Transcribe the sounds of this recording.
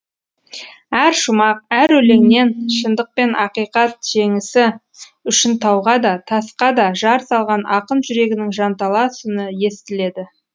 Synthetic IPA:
æɾʃʊmɑq̚æɾɵle̞ŋne̞nʃənd̪əq̚pe̞nʔɑqijqɑt̪ʒ̥e̞ŋɪsɪ | ʏʃɪnt̪ʰɑwʁɑd̪ɑt̪ʰɑsqɑd̪ɑʒɑɾsɑlˠʁɑnʔɑqənʒʏɾe̞ɡʲɪnɪŋʒɑnt̪ɑlˠɑsʏnɪje̞st̪ɪle̞d̪ɪ

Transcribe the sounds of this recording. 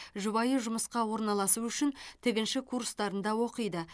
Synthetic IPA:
ʒʊβɑjəʒʊməsqɑwo̞ɾnɑlˠɑsuʏʃɪnt̪ʰɪɡʲɪnʃɪkʰuɾrst̪ɑɾənd̪ɑwo̞qəjd̪ə

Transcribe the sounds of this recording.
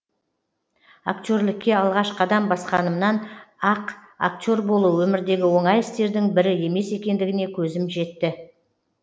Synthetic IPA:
akt̪ʲo̞ɾlɪkʲːe̞ɑlˠʁɑʃqʰɑd̪ɑmbɑsqɑnəmnɑnɑq | a̰k̚t̪ʲo̞ɾbo̞lˠuwɵmɪɾd̪e̞ɡʲɪwo̞ɴɑjɪst̪e̞ɾd̪ɪŋbɪɾɪe̞me̞se̞kʲe̞nd̪ɪɡʲɪne̞kʲʰɵzɪmʒe̞t̪ːɪ

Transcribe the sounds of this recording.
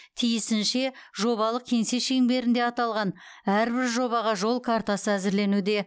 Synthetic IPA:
t̪ʰijɪsɪnʃe̞ʒo̞βɑlˠəq̚kʲʰe̞nse̞ʃeŋbe̞ɾɪnd̪e̞ɑt̪ɑlˠʁɑn | æɾbɪɾʒo̞βɑʁɑʒo̞lˠkʰaɾt̪ɑsəæzɪɾle̞nud̪e̞

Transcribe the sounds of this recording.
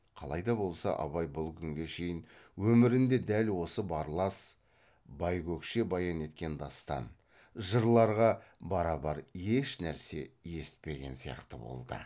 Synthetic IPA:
qʰɑlˠɑjd̪ɑbo̞lˠsɑ̰ʔɑ̰βɑjbʊlˠkʲʰʏŋɡʲe̞ʃe̞jɪnwɵmɪɾɪnd̪e̞d̪ælwo̞səbɑɾlˠɑs | bɑjkʲʰɵkʃe̞bɑjɑne̞t̪kʲe̞nd̪ɑst̪ɑ̰n | ʒəɾlˠɑɾʁɑbɑɾɑbɑɾeʃnæɾse̞je̞sɪ̥t̪̚pe̞ɡʲe̞nsijɑ̰qt̪əbo̰lˠd̪ə̰

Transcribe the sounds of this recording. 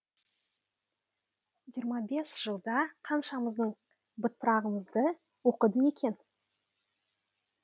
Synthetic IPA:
ʒijəɾmɑbe̞sʒ̥əlˠd̪ɑqʰɑnʃɑməzd̪əɴ | bʊt̪̚pəɾɑʁəməzd̪ə | wo̞qəd̪əe̞kʲe̞n

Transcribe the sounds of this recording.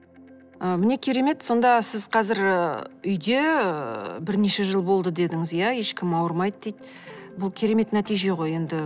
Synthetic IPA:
əmɪne̞kʲʰe̞ɾe̞me̞t̪so̞nd̪ɑsɪzqʰɑzɪɾʏjd̪e̞ | bɪɾne̞ʃeʒəlˠbo̞lˠd̪əd̪e̞d̪ɪŋɪzjæje̞ʃkʲɪmɑwəɾmɑjd̪əd̪ejt̪̚ | bʊlˠkʲʰe̞ɾe̞me̞t̪næt̪ijʒe̞ʁoje̞nd̪ɪ

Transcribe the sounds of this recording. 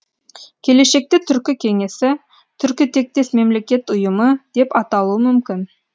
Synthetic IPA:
kʲʰe̞le̞ʃe̞k̚t̪ɪt̪ʰʏɾkʲɪkʲʰe̞ŋe̞sɪ | t̪ʰʏɾkʲɪt̪ʰe̞k̚t̪e̞sme̞mle̞kʲe̞t̪ʊjəməd̪̥e̞pɑt̪ɑlˠuəmʏmkʲɪn

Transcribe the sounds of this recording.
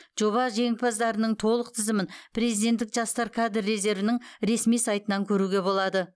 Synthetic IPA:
ʒ̥o̞βɑʒe̞ŋɪpɑzd̪ɑɾənəɴt̪ʰo̞lˠəq̚t̪ʰɪzɪmɪnpʰre̞zijd̪et̪ːɪkʒɑst̪ɑɾkʰad̪ərːe̞ze̞ɾvɪnɪŋɾe̞smijsɑjt̪ənɑŋkʲʰɵɾuɡʲe̞bo̞lˠɑd̪ə

